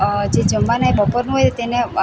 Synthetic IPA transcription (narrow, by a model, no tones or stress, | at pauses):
d͡ʒed͡ʒəmbanaeɓəpəɾnũɦojt̪ene